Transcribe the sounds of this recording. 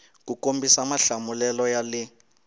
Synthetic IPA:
kukombisamaɬamulɛlɔjali

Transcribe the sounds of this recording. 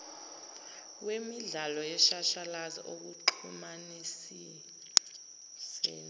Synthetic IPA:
wemiɮalɔjɛʃaʃalaza̰ʔok̬uǃʰumanis | i | sɛ̰ːn

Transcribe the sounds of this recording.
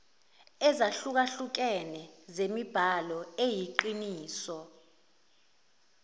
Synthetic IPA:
ɛzaɬuk̬aɬuk̬ɛnɛzemib̥ʱalɔejiǃiniːsɔ

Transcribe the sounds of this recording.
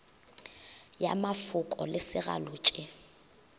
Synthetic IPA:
jamafʊkʼɔ̰lɪsɪɣa̰lʊːt͡ʃʼɪ

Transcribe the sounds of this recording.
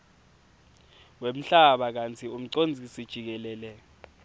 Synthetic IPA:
wem̩ɬaɓak̬ant͡sʰium̩ǀond͡zʱisid̥ʒ̥ʱik̬ɛlɛːlɛ

